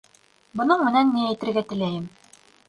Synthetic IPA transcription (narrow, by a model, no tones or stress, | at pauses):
bɤ̆nɤɴmɘ̆nænːiæjt̪ɘ̆ɾɡæt̪ɘ̆læjɘm